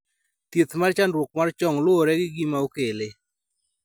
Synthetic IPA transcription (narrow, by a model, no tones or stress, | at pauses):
t̪jet̪mart͡ʃandɾwok̚mart͡ʃɔŋlwoɾɛɡɪɡimaokele